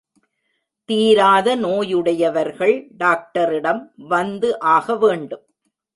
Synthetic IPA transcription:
t̪iːɾaːðɐnoːjɯɽɐjɐʋɐɾɣɐɭɖaːk̚ʈɐɾɪɽɐmʋɐnd̪ɯʔaːɣɐʋeːɳɖɯm

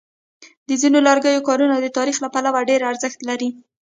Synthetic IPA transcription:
d̪əzinolɑɾɡəjokɑɾunad̪ət̪ɑɾixlapalawaɖeɾaɾzəxt̪laɾi

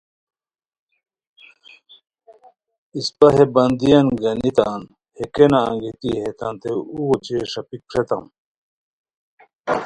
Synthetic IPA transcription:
ispɐɦebɐnd̪ijɐnɡɐnit̪aːn | hekenaːŋɡit̪iɦet̪ɐnt̪euwot͡ɕeʂɐpikʂet̪ɐm

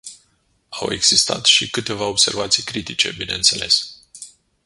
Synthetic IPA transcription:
awe̞̰ɡz̥ist̪a̰t̪ʃikɨt̪e̞vao̞bse̞rvat̪sijkɾit̪it͡ʃe̞̰bineɨnt̪se̞̰le̞s

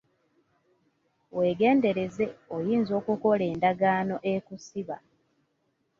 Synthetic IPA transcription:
we̞ːɡe̞ːnde̞ɾe̞ze̞ojiːnzo̞ːkuko̞le̞ːndaɡaːno̞ʔekusiβa̰

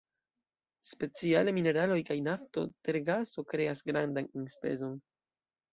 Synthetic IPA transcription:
spe̞t͡siale̞mine̞ɾalo̞jkajnafto̞̰te̞ɾɡaso̞kɾe̞asɡɾandaninspe̞̰zo̞n

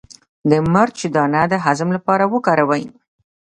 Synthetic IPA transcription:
d̪əmaɾt͡ʃed̪ɑnad̪əɦazəmlapɑɾawəkɑɾawaj

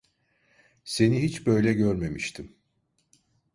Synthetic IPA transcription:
se̞niɦit͡ʃbøjlʲɛɟøɾme̞miʃt̪ʰim

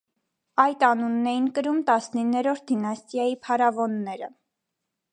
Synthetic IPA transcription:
ɑjt̪ɑnunːɛjinkəɾumt̪ɑsninːɛɾɔɾt̪̚ʰd̪inɑst̪jɑjipʰɑɾɑvɔnːɛɾə

